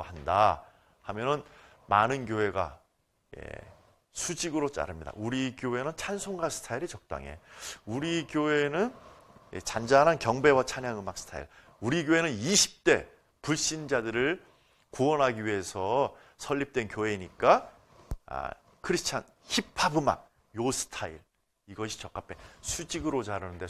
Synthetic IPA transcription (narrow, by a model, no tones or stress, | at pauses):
handa | hamjʌnɯn | manɯnkjoe̞ɡa̰ | je̞̰ | sʰud͡ʑiɡɯɾot͡ɕ͈a̰ɾɯmɲida̰uɾiɡjoɦe̞nɯnt͡ɕʰansʰoŋɡasʰɯ̥tʰaiɾit͡ɕʌk̚t͈a̰ŋe̞̰uɾiɡjoe̞nɯn | jḛt͡ɕand͡ʑanankjʌŋbe̞wat͡ɕʰaɲjaŋɯmak̚s͈ʰɯ̥tʰa̰ḭɭ | uɾiɡjoe̞nɯniɕʰi̥p̚t͈e̞ | puɭɕ͈ind͡ʑadɯɾɯɭ | kuwʌnɦaɡiɥie̞sʰʌ | sʰʌʎːip̚t͈we̞nkjoe̞iɲik͈a | a̰ | kʰɯɾisʰt͡ɕʰa̰n | çipʰabɯma̰k̚ | josʰɯ̥tʰaḭɭ | iɡʌɕʰi̥t͡ɕʌk͈ap͈ʰe̞sʰud͡ʑiɡɯɾot͡ɕaɾɯnɯnde̞